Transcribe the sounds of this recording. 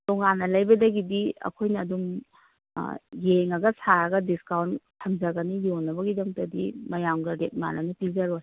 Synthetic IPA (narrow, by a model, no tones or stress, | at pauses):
toŋanːɐlɐjbɐdɐɡidiɐ̰kʰojnɐːduŋ | jeŋɐɡɐsaɾɐɡɐdiskawntʰɐmzɐɡɐnijonːɐbɐɡidaŋtɐdimɐjamɡɐɾet̚ma̰nɐnipizɐɾoj